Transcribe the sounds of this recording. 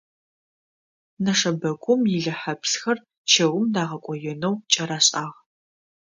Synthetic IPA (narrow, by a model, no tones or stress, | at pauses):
nɐʂɐbɐɡʷʼʊmjɪɮɐħapsxɐr | t͡ʃʰɐwʊmdaːʁɐkʷʼɔjɛnɐwt͡ʃʼɐɾaːɕʼaːʁ